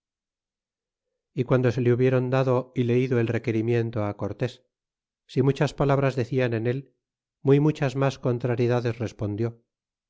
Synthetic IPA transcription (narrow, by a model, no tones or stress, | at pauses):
ikwand̪o̞se̞leuβje̞ɾo̞nd̪aðo̞ile̞iðoe̞lre̞ke̞ɾimje̞nt̪o̞ako̞ɾt̪e̞sː | imut͡ʃaspalaβ̞ɾazðe̞θiane̞ne̞l | mujmut͡ʃazmasko̞nt̪ɾaɾjeðaðe̞sre̞spo̞nd̪jo̞